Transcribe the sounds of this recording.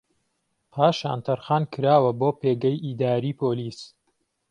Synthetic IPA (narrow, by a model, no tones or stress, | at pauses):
pʰaːʃa̰ːnt̪ʰɐɾxaːnkʰɨɾaːwɐboːpʰeːɡɐjʔiːd̪aːɾiːpʰoːliːs